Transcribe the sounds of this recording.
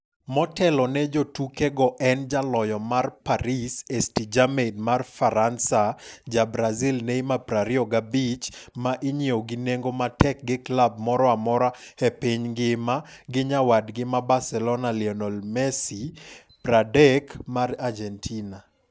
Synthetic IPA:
mɔtʰɛlɔnɛd͡ʒotukeɡɔʔɛnd͡ʒalɔjɔmarpaɾisestid͡ʒamedmarfaɾansad͡ʒabɾazilnɛimapɾaɾiɔɡabit͡ʃmaʔɪɲioɡɪneŋɡomatɛk̚ɡɪklab̚mɔɾɔamɔɾahɛpiɲɡɪmaɡɪɲawadɡɪmabasɛlɔnalɪɔnɔlmɛsi | pɾadɛkmarad͡ʒɛntʰina

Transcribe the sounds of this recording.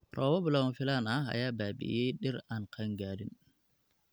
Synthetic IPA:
ɾʔɔːwɔblawafɪlanaa̰jaːbaːbḭjɛjɗɛɾankʰaŋɡaːɾḭn

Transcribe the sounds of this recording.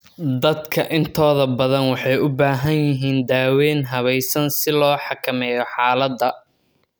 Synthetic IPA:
d̪ɐd̪kʰɐʔɪnt̪ʰɔːðɐbɐðɐnwɑħɑjʊbaːɦɐnjɪɦiːnd̪aːwɛːnɦɐβɛjsɐnsɪlɔːħɑkʰɐmɛːjɔħɑːlɐd̪ːɐ

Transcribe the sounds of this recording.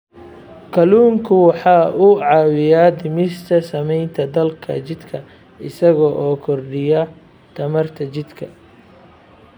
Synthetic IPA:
kʰɐluːŋkʰʊwɑħɑːʔʊʕɑːwɪjaːd̪ɪmɪst̪ʰɐsɐmɛjnt̪ʰɐd̪ɐlkʰɐ̰t͡ʃɪd̪kʰɐ | ɪsɐɣɔːʔɔːkʰɔrɖɪjɐ | t̪ʰɐmɐrt̪ʰɐt͡ʃɪd̪kʰɐ

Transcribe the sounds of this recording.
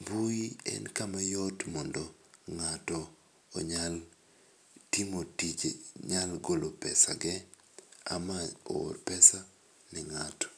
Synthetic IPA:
buiɛ̰nkamajɔtmɔndɔ | ŋatɔ̰ː | ɲal | timotit͡ʃḛɲalɡolopɛsaɡɛ | a̰mao̰rpɛsa | nɪŋatɔ̥

